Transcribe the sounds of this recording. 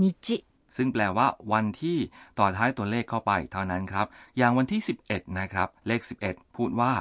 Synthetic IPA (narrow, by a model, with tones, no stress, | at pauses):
ni˦˥t͡ɕi˦˥ | sɯ˥˩ŋplɛː˧waː˥˩wa˧nt̪ʰiː˥˩t̪ɔː˨˩t̪ʰːaː˦˥jt̪u˧ɐleː˥˩kʰːa˥˩wpa˧jt̪ʰa˥˩wna˦˥nkʰɾa˦˥p̚jaː˨˩ŋwa˧nt̪ʰiː˥˩si˨˩p̚ʔe˨˩t̪̚na˦˥kʰɾa˦˥p̚leː˥˩k̚si˨˩p̚ʔe˨˩t̪̚pʰuː˥˩t̪̚waː˥˩